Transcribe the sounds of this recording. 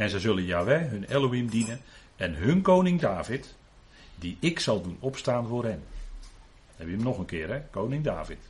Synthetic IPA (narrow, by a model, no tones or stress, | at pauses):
ɛnzəjzølənjaːʋɛɦɵnɛlˠowimdinən | ɛnɦønkownɪŋdaːvɪt | diɪksɑlˠdunɔpstaːnvoːrɦɛn | ɛbjəmnɔxənkɪːəɾɛkownɪŋdaːvɪt